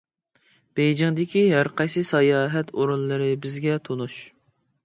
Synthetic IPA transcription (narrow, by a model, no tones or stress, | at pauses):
b̥ejd͡ʒɪŋd̪ɪkʲʰiɦæɾqʰɑjsɨsɑjɑːɦɛt̪oɾunlˠɨɾɨbɪzɡʲɛt̪ʰonuʃ